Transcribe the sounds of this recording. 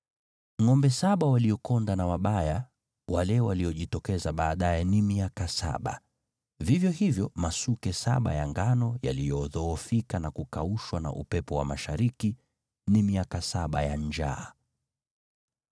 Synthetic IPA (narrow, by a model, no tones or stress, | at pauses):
ŋɔmbɛsaɓawaliɔkɔndanawaɓaja | wʔalɛwaliɔʄitɔkɛzaɓaːɗajɛnimiakasa̰ɓa̰ | vivjɔhivjɔmasukɛsa̰ɓa̰jaŋɡanɔja̰lijɔːðɔːfikanakukauʃwana̰ʔupɛpɔwa̰maʃaɾiki | nimiakasaɓajaɲd͡ʒa̰ː